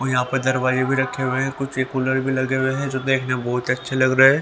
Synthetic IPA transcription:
ɔjɐɦãːpɐɾd̪ɐɾbaːzebʱiɾɐkʰːeɦʊeɦkʊt͡ʃʰeːkʊləɽbʱilɐɡeweɦɛ̃d͡ʒoːd̪eːkʰnabɔɦʊt̪ɐtːʃʰelɐɡɾɐɦɛː

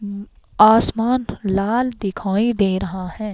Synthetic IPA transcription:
aːsmaːnlaːld̪ɪkʰaːid̪eːɾɐɦahɛ̃ː

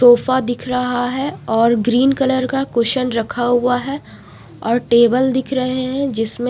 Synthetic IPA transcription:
soːfad̪ɪkʰɾɐɦaɦɛɔːɾɡɾiːnkɐləɾkakʊʃənɾɐkʰaɦuaɦɛ | ɔːɾʈeːbəld̪ɪkʰɾɐɦeɦɛ̃d͡ʒɪsmẽ

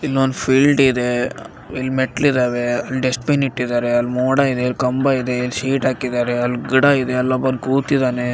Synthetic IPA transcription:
ilːond̪pʰiːlɖid̪e̞ | ilːmeʈɐlid̪aːʋeɐlːɖesʈpiniʈːid̪aːɾeɐlmoːɽaid̪eɐlkɐmbaid̪eilːʃiːʈɦaːkid̪aːɾeɐlːɡiɽaid̪eɐlːɐbɐd̪kuːt̪id̪aːne

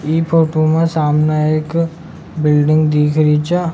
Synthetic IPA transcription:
iːpʰoːʈomẽsaːmnaek | bɪlɖɪ̃ŋɡd̪iːkʰɾit͡ʃa

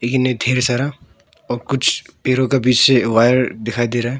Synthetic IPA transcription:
leːkɪned̪ʱeːɾsaːɾa | ɔːɾkʊt͡ʃʰpeːɾõkabiːt͡ʃseʋaːjəɾd̪ɪkʰaːid̪eːɾaːɦɛː

